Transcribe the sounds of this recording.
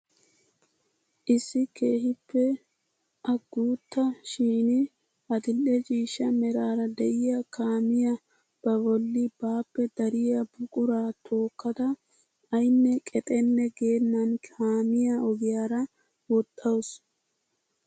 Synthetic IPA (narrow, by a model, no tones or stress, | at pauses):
ʔɪsːɪke̞ːhɪpːɛ | ʔɐɡuːt̪ːɐʃiːnɪ | ʔɐd̪ɪlːɛd͡ʒiːʃɐmɛɾaːɾɐd̪ɛʔɪjɐkʰaːmɪjɐ | b̥ɐbɔlːɪbaːpːɛd̪ɐɾɪjɐbʊkʼʊɾaːt̪ʰo̞ːkːɐd̪ɐ | ɐjnːɛkʼɛt̪ʼɛnːɛɡe̞ːnːɐnkʰaːmɪjaɔɡɪjaːɾɐ | wɔt̪ʼːɐwʊs